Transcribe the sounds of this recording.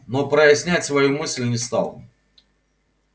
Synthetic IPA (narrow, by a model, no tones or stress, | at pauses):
nopɾəjɪsʲnʲætʲsvɐjumɨsʲlʲnʲɪst̪a̰lˠ